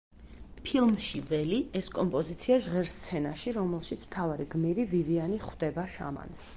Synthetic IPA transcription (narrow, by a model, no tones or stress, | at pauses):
pʰilˠmʃivɛliɛskʼɔmpʼɔzit̪sʰiaʒʁɛɾst̪sʰɛnaʃiɾɔmɛlˠʃit̪sʰmt̪ʰavaɾiɡmiɾivivianiχwd̪ɛbaʃa̰ma̰ns